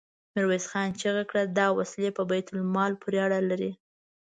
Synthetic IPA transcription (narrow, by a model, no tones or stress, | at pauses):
mɪɾwesxɑnt͡ʃeɣakɽad̪ɑwaslepəbajt̪ʊlmɑlpʰʊɾeaɽalaɾi